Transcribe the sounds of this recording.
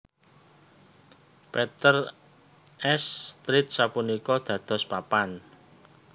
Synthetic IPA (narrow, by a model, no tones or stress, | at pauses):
pɛt̪ər | ɛst̪ɾɪt̪̚sapunikɔd̪̥ä̤d̪̥ɔ̤spapan